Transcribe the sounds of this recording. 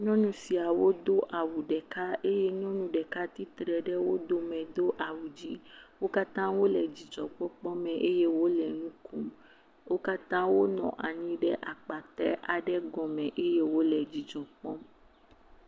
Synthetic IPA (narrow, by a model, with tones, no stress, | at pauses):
ɲɔ̃˦nũ˦si˨a˨wo˦d̪o˦ʔa˨wu˨ɖɛ˨ka˦e˦jɛ˦ɲɔ̃˦nũ˦ɖɛ˨ka˦t̪i˦t̪ɾɛ˨ɖɛ˦wo˦d̪o˦mɛ̃˨d̪o˦ʔa˨wu˨d͡ʒi˦wo˦ka˦t̪ã˦wo˦lɛ˨d͡ʑi˨d͡ʒɔ̃˨k͡pɔ˦k͡pɔ˦mɛ̃˨ʔe˦je˦wo˦lɛ˨nũ˦kũ˦m | wo˦ka˦t̪ã˦wo˦nɔ̰̃˨ʔa˨ɲĩ˦ɖɛ˦ʔa˨k͡pa˨t̪ɾɛ̰˦ʔa˨ɖɛ˦ɡɔ̃˨mɛ̃˨ʔe˦je˦wo˦lɛ˨d͡ʑi˨d͡ʒɔ̃˨k͡pɔ˦m